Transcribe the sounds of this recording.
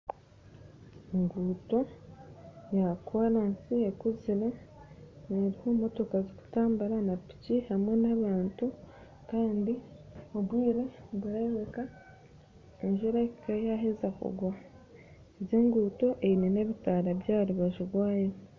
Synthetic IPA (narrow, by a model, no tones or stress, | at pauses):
eŋɡuːto̞ | jakwaɾansiekuziɾo | neɾihoːmo̞to̞kazoku̥taːmbaɾanapi̥cihamwe̞naβaːntu | kaːndiobwiːɾeβuɾeβeka | eɲʒiɾakajaɦezakṵɡwa | eβjeːŋɡuːto̞ʔeinene̞βitaɾabjaːɾuβaʒuɡwaːjo